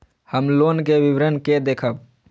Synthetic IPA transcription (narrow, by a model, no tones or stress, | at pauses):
həmloːnkeʋiʋɾənked̪eːkʰəb